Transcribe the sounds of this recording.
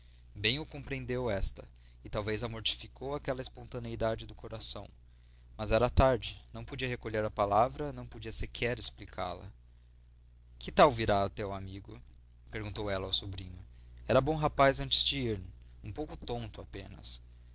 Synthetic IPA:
bẽj̃ʊkõpɾeẽnd̪ewɛst̪ɐ | ɪt̪awvezɐmoɾt͡ʃi̥fikʰowakɛlɐɪspõnt̪ɐ̃neid̪ad͡ʒɪd̪ʊkoɾasɐ̃w̃ | mɐzɛɾɐat̪aɾd͡ʒɪnɐ̃w̃pod͡ʒiɐɦekoʎeɾɐpalavɾɐnɐ̃w̃pod͡ʒiɐseɾkʰɛɾesplikʰa̰lɐ̰ | kɪt̪awviɾat̪ewamiɡʊ | peɾɡũnt̪owɛlɐawsubɾĩɲʊɛɾɐbõw̃ɦapazɐ̃nt͡ʃɪ̥zd͡ʒɪiɾ | ũpowkʊt̪õnt̪ʊapẽnɐ̰s

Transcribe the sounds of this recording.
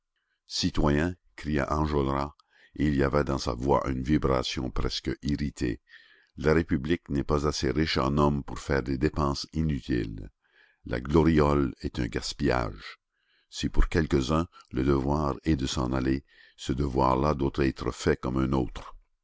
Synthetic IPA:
sit̪wajɛ̃ | kʁija̰ʔɑ̃ʒolʁa | iliavɛd̪ɑ̃sa̰vwa̰ʔynvibʁasjɔ̰̃pɾɛskiʁit̪ʰḛ | laʁepybliknɛpazaseʁiʃɑ̰̃nɔmpuʁfɛːʁd̪ed̪epɑ̃sinyt̪ʰḭlː | a̰ɡlɔʁjɔlɛt̪ɛ̃ɡaspija̰ːʒ | sipuʁkʲɛlkəzœ̃ləd̪əvwaːʁɛd̪əsɑ̃nale | səd̪əvwaːʁlad̪wot̪ɛːt̪ʁəfɛkɔmɛ̃noːt̪χ

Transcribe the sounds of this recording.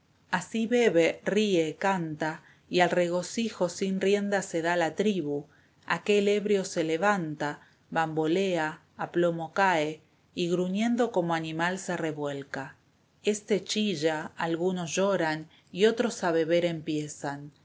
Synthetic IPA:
asiβe̞βeriekant̪a | ialre̞ɣ̞o̞sixo̞sinrje̞nd̪ase̞ðalat̪ɾiβu | a̰ke̞le̞βɾjo̞se̞leβant̪a | βambo̞leaː | plo̞mo̞kae | iɣɾunjẽ̞nd̪o̞ko̞moanimalsereβwe̞lka | est̪et͡ʃiʒaalɣuno̞sʒoɾan | io̞t̪ɾo̞saβe̞βe̞ɾe̞mpjesan

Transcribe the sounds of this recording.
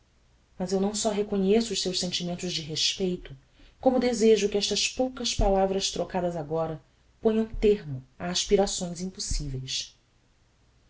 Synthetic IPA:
mɐzewnɐ̃w̃sɔɦekoɲesʊːʃsewʃsẽnt͡ʃimẽnt̪ʊzd͡ʒɪɦeʃpejt̪ʊ | kõmʊd̪ezeʒʊkɪɛʃt̪ɐspowkɐspalavɾɐst̪ɾokad̪ɐzaɡɔɾɐ | põɲɐ̃w̃t̪eɦmʊaːʃpiɾasõj̃zĩpusivejs

